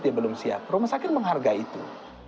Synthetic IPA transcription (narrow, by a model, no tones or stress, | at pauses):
t̪ijabəlʊmsia̰p̚romasakɪt̪̚məŋɦarɡait̪u